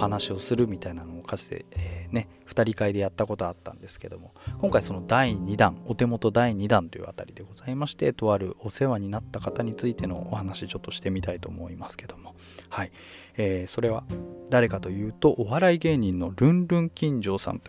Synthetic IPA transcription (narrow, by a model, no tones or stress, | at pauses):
ohanaɕio̞sɨɾɯ̟mʲit̪ainano̞ːkʰasɨ̥t̪ḛeːne̞ | ɸɯ̥t̪aɾʲikaid̪e̞jat̪ːako̞t̪o̞at̪ːã̰nd̪e̞sɨ̥ke̞d̪o̞mo̞kõ̞ŋkaiso̞no̞d̪aiɲ̟id̪ãɴo̞t̪e̞mo̞t̪o̞d̪aiɲ̟id̪ãnt̪o̞jɯ̰a̰t̪aɾʲid̪e̞ɡo̞zaimaɕi̥t̪e̞t̪o̞βaɾɯ̟ʔo̞se̞βaɲ̟inat̪ːakat̪aɲ̟it͡sɨit̪e̞no̞̰ːhanaɕit͡ɕo̞t̪ːo̞ɕi̥t̪e̞mʲit̪ait̪o̞̰ːmo̞imasɨ̥ke̞d̪̥o̞mo̞ | hai | eːso̞ɾe̞βa̰d̪aɾe̞kat̪o̞jɯ̟ːt̪o̞ʔoβaɾaiɡe̞ːɲ̟ĩnːo̞ɾɯ̟̃nɾɯ̟̃ŋkʲĩɲ̟d͡ʑo̞ːsã̰nt̪o